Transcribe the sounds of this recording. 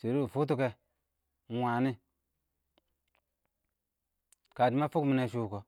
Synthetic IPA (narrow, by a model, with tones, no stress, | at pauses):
se˨ɾu˦˨fu˦t̬u˦ke˦˨˦ | wa˨ni˦ | ka˨di˦ma˦fu˦mi˦ne˨ʃu˦˨ko˨